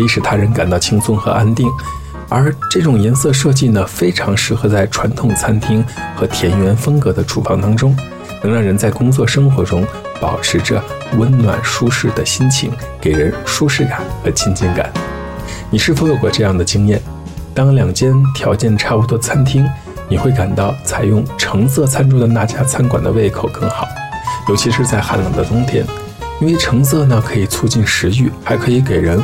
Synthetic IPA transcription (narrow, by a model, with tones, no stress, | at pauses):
i˥˩ʂɻ̩˨˩t̪ʰa˥ɻə˧˥nka˨˩nt̪ɑ˥˩ʊt͡ɕʰi˥ŋsʊ˥˩ŋxɤ̰˧˥ʔa˥nt̪i˥˩ŋ | ə̰˞˧˥ʈ͡ʂɤ˥˩ʈ͡ʂʊ˨˩ŋjɛ˧˥nsɤ˥˧ʂɤ˥˧t͡ɕi˥˩nə˩fe˥ɪʈ͡ʂʰɑ˧˥ŋʂɻ̩˧˥˩xɤ˧˥t͡sa˥˩ɪʈ͡ʂʰwa˧˥nt̪ʰʊ˨˩ŋt͡sʰa˥nt̪ʰi˥ŋxɤ˧˥t̪ʰjɛ˧˥njɥɛ˧˥nfɤ˥ŋkɤ˧˥d̪ə˧ʈ͡ʂʰṵ˨˩fɑ˥˩ŋt̪ɑ˥ŋʈ͡ʂʊ˥ŋ | nɤ˧˥ŋɻɑ˥˩ɻə˧˥nt͡sa˥˩ɪkʊ˥ŋt͡swɔ˥˩ʂɤ˥ŋxwɔ˧˥ʈ͡ʂʊ˥ŋ | pɑ̰˨˩ʊʈ͡ʂʰɻ̩˧˥ʈ͡ʂə˧ | wə˧˥nnwa̰˨˩nʂu˥ʂɻ̩˥˩d̪ə˩ɕi˥nt͡ɕʰḭ˧˥ŋke˨˩ɪɻə˧˥nʂu˥ʂɻ̩˥˩ka̰˨˩˦nxɤ˧˥t͡ɕʰi˥nt͡ɕɛ˥˩nka̰˨˩˦n | ni˨˩ʂɻ̩˥˩fo˧˥jo˨˩ʊkwɔ˥˧ʈ͡ʂɤ˥˧jɑ˥˩ŋd̪ə˩t͡ɕi˥ŋjɛ˥˩n | t̪ɑ˥ŋljɑ˨˩ŋt͡ɕjɛ˥nt̪ʰjɑ˧˥ʊt͡ɕjɛ˥˩˧nʈ͡ʂʰa˥˩pu˧˥t̪wɔ˥t͡sʰa˥nt̪ʰi˥ŋ | ni˨˩xwe˥˩ɪka˨˩nt̪ɑ˥˩ʊt͡sʰa˨˩ɪjʊ˥˩ŋʈ͡ʂʰɤ˧˥ŋs̬ɤ˥˧t͡sʰa˥nʈ͡ʂʰu˥d̪ə˨˩na˥˩t͡ɕja˥t͡sʰa˥nkwa̰˨˩nd̪ə̰˦we˥˩ɪkʰo˨˩ʊkɤ˥˩ŋxɑ˨˩˦ʊ | jo˧˥ʊt͡ɕʰi˧˥ʂɻ̩˥˧t͡sa˥˩ɪxa̰˧˥ljɑ̰˨˩ŋd̪ə˧t̪ʊ˥ŋt̪ʰjɛ̰˥n | i˥nwe˥˩ɪʈ͡ʂʰɤ˧˥ŋs̬ɤ˥˩nə˩kʰɤ˧˥i˨˩t͡sʰu˥˧t͡ɕi˥˩nʂɻ̩˧˥y˥˩xa˧˥ɪkʰɤ˧˥i˧˥k̬e˨˩ɪɻə˧˥n